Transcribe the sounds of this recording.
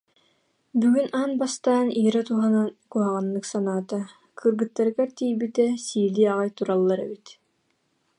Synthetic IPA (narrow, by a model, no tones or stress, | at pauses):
byɡynanbast̪aːniːɾat̪uɦanankuɦaʁanːɯksanaːt̪a | kʰɯɾɡɯt̪ːaɾɯɡaɾt̪ijbit̪ɛsiːliaʁajt̪uɾalˠːaɾɛ̰bit̪